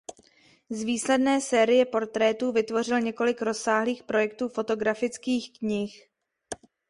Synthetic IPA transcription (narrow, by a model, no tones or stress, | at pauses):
zviːslɛdnɛːsɛːɾɪjɛpo̞ɾt̪ɾɛːt̪uːvɪt̪vo̞rɪlɲɛko̞lɪkɾo̞sːaːɦliːxpɾo̞jɛk̚t̪uːfo̞t̪o̞ɡɾafɪt͡skiːxkɲɪx